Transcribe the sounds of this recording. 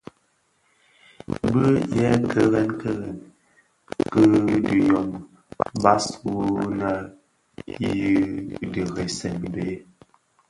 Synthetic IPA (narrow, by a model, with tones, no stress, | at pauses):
bə˦jɛ˦ŋ̩˦kʰə˦ɣɛ˦nkə˦ɣɛ˨n | kə˦də˨jɔ˨m | ba˦swu˦na˦ | ji˦də˨ɣe˨sɛ˨n˨be˦